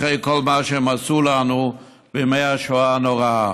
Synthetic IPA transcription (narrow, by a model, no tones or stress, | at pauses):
ejkolmaʃemasulanu | bemejaʃoanoʁa